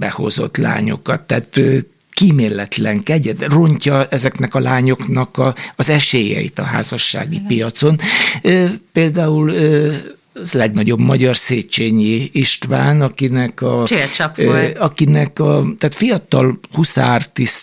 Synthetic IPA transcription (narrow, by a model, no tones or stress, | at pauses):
bɛho̞̰zo̞̰t̪la̰ːɲo̞̰kɒt̪ːaːt̪ø | kimeːlːɛt̪lɛŋkɛɟɛt̪ro̞ɲcɒɛzɛknɛkɒlaːɲo̞knɒkɒːzɛʃeːjɛ̰ḭt̪ɒ̰ɦa̰ːzɒʃːa̰ːɡipijɒt̪so̞nøːpeːld̪aːulø | lɛɡnɒɟo̞bmɒɟɒrseːt͡ʃeːɲiiʃt̪ʋaːnɒkinɛkɒt͡ʃet͡ʃɒpoɒkinɛkɒt̪aːt̪fijɒt̪ɒlhusa̰rt̪is